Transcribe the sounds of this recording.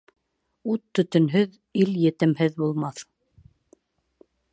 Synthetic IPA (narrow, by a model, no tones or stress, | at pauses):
ut̪ːɵ̆t̪ɵ̆nɦɵð | iljɘ̆t̪ɘ̆mhɘðbulˠmɑθ